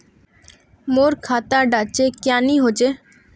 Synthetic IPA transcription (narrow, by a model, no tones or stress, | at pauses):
moɾkʰat̪aɖat͡ɕekjaniɦot͡ʃe